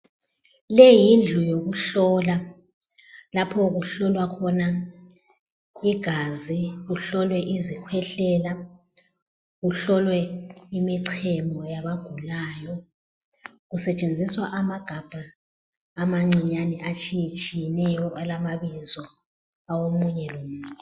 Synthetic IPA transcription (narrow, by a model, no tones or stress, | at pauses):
lɛjind͡ɮʱujoɣuɬɔːla | lapʰɔɣuɬɔlwakʰɔna | iɡ̥ʱaziɣuɬɔlwɛʔizikʰwɛɬɛla | ɣuɬɔlwɛimiǀʰɛmbɔjaβaɡ̥ʱulaːjɔ | ɣusɛt͡ʃʼend͡zʱiswaʔamaɡ̥ʱab̥ʱaː | maŋ͡ǀiɲanɛʔat͡ʃʰijit͡ʃʰʼijɛnɛjɔʔalamaβizɔ | awomuɲɛlomuːɲɛ